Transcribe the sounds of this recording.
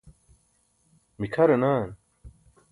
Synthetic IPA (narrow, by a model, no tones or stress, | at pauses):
mikʰɐɾɐnaːn